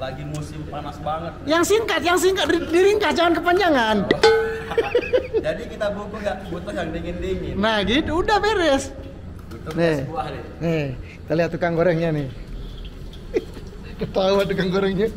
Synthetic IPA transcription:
laɡimusɪmpanasbaŋət̪̚jaŋsiŋkat̪̚jaŋs̬iŋkat̪̚idiɾiŋkatd͡ʒaŋankəpaɲd͡ʒaŋan | d͡ʒadikit̪abukuɡaʔbut̪uɡaŋdeŋɛndeminahɡit̪uːdahpeɾɛs | it̪uneuadnekit̪aliɦat̪ːukaŋɡoɾɛŋɲanɪh | kət̪auat̪ukaŋɡoɾɛŋɲa

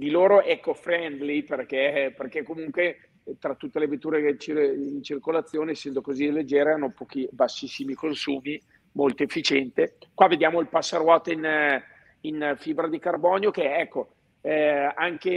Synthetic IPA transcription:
d̪iloːɾoʔɛkːofɾɛnd̪liperkeperk̟ekːomuŋkwe | t̪ɾat̪ːut̪ːelevet̪ːuːɾet͡ʃiint͡ʃirkolat̪sːjoːnieːsːɛnd̪okozilːed͡ʒːeːɾeanːopɔːkibasːisːimikonsuːmi | molt̪oefːit͡ʃɛnt̪ekwavːed̪jaːmoilpasːaɾwɔt̪in | infibɾad̪ikarbɔːnjokeɛkːo | aŋke

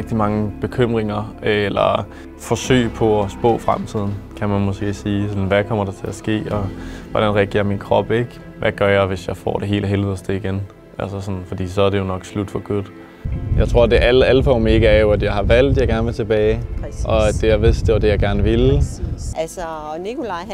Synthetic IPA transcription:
ɡ̥̚d̥imɑ̈ŋəb̥e̝kʰøm̰ʁeŋɐlɐ̰ | fɒ̽sø̰ːɪpʰɒ̽ɒsb̥ɔ̰̽ːfʁamt͡sʰið̞̰ˠn̩kʰæmænmɔ̽sɡ̥e̝̰ːsiːsɒ̽nʋækʰɒ̽m̰ɐɾ̥ɑ̈t͡sʰe̝æsɡ̥e̝̰ːɒʋɒd̥ænʁɛɐɡ̥e̝̰ɐ̰minkʰʁɒ̽b̥e̝ɡ̥ | ʋʔæɡ̥ɶɐjɑ̈ɪʋe̝sjɑ̈ɪfɒ̰ːɾe̝ɦe̝̰ːlɦeliḛsd̥e̝iɡ̥en | ʔælsɐsɒ̽nn̩fɒd̥ḭːsɒ̽æɐɾe̝jo̝nɒ̽ɡ̥slud̥fɒɡ̥u | jɑ̈ɪt͡sʰʁo̝ɐ̰d̥e̝ʔælæləfɒ̰ːme̝ɡ̥əæɐjo̝æd̥jɑ̈ɪhɑ̈ʋæl̰d̥jɑ̈ɡ̥æɐnʋelt͡sʰe̝b̥ɛːɪʔɒ̽æ̥e̝jaʋe̝sd̥d̥e̝ʋɑ̈d̥e̝jɑ̈ɡ̥æɐnəʋel | æs | nikol

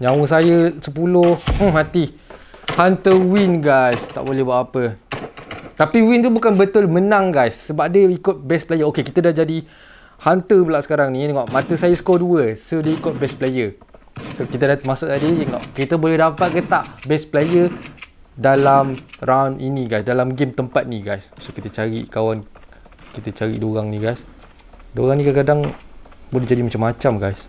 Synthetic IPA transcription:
ɲãwəs̬ajəsəpulʊh̩ɦat̪i | hant̪əwinɡajst̪a̰ʔbolɛɦbuaʔapə | t̪apiwint̪ubukanbət̪ʊlmənaŋɡajsːəbap̚dəikʊt̪̚bɛsplejəokekit̪ədahd͡ʒadi | hant̪əpəlaʔsə̥kaɾaŋnĩt̪əŋɔʔmãt̪əsajəsə̥kɔduəsodiəikʊt̪̚bɛsplejə | sokit̪ədamasʊʔ̚t̪adiəŋɔ̰ʔkɾit̪əbolɛhɦdapat̪̚ɡət̪aʔbɛsplejə | dalamrʔawninĩɡajsdalamɡemt̪əmpat̪̚nĩɡajssokit̪ət͡ʃaɾḭkawan | kit̪ət͡ʃaɾḭʔdoɾaŋniɡajs | doɣaŋnĩkakadaŋbolɛɦd͡ʒadimat͡ʃamːat͡ʃamɡajs

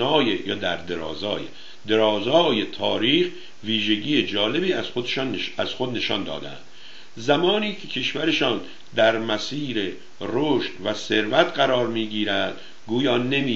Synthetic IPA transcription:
ɒːjejɒːd̪æɾd̪eɾɒ̰ːzɒːjḛ | d̪e̞ɾɒːzɒːje̞t̪ʰɒːɾiːx | viːʒeɟiːjed͡ʒɒːle̞biːæz̥xod̪eʃɒːnæz̥xod̪ne̞ʃɒ̰ːnd̪ɒ̰ːd̪æ̰nd̪̥ | zæmɒːniːcʰe̞cʰe̞ʃvæɾe̞ʃɒːn | d̪æɾmæsiːɾe | roʃt̪væse̞ɾvæt̪ɢæɾɒːɾmiːɡiːɾæd̪ | ɡuːjɒːne̞miː

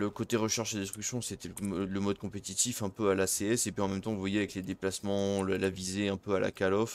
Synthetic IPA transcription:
ləkot̪eʁəʃɛʁʃad̪ɛ̃st̪χyksjɔ̃set̪ɛlləmɔd̪̚kɔ̃pet̪it̪ifɛ̃pøalaseɛsepɥiɑ̃mɛmt̪ɑ̃vuvwajeavɛkled̪eplasmɑ̃ləlavizeɛ̃pøala̰kalɔf

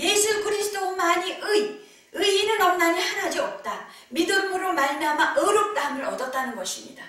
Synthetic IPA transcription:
je̞sʰukɯɾisʰɯd͈omaɲiʔɯi | ɯinɯnʌmnaniɭhaɾɦad͡ʑiʌp̚t͈a | midɯmɯɾomaɭmiɦamaʔɯɾɯp̚t͈aamɯɾʌdʌt̚t͈anɯnɡʌɕʰimɲḭda

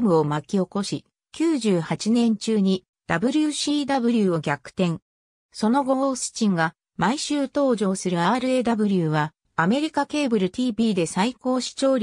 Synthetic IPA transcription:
mɯ̟o̞makʲio̞ko̞ɕi | kʲɨːʑɨːhat͡ɕinẽ̞ɲt͡ɕɨːɲ̟i | d̪̥abɯ̟ɾʲɯɕiːd̪abɯ̟ɾʲɯo̞ɡʲakɯ̟̥t̪ẽ̞ŋ | so̞no̞ɡo̞oːsɨ̥t͡ɕĩŋɡa | maiɕɨːt̪o̞ːʑo̞ːsɨɾɯ̟aːɾɯ̟e̞d̪abɯ̟ɾʲɯːβa | ame̞ɾʲikake̞ːbɯ̟ɾɯ̟t̪ʲiːbʲiːd̪e̞saiko̞ːɕi̥t͡ɕo̞ːɾʲ

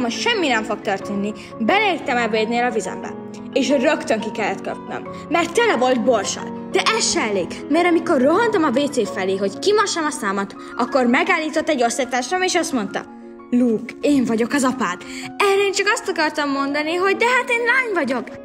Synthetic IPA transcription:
moʃɛmːinɛɱfo̞k̚t̪ørt̪eːnːi | bɛleirt̪ɛmɛveːd̪neːlɒvizɛ̰mbɛ̰ | eːʃrøkt̪øŋkikɛlːɛt̪køp̚nø̰mː | ɛrt̪ːɛlɛvo̞lt̪̚bo̞rʃɒ̰l | d̪̥ɛʔɛsʃɛɛleːkmɛɾɒmiko̞rːoɦɒnt̪ɒmɒveːt̪seːfɛleːɦo̞ckimɒʃɒmɒsaːmɒt̪ | ʔɒkːo̞rmɛɡaːlːiːt̪o̞t̪ːɛɟːo̞st̪it̪aːʃrɒmeːʃɒst̪mo̞nt̪ɒ̰ | luːkeːɱvɒɟo̞kɒzɒpaːt̪ɛrɛeːnt͡ʃɒkɒst̪ɒkɒrt̪ɒmːo̞nd̪ɒniɦo̞ɟd̪ɛɦat̪eːnlaːɲvɒɟo̞k

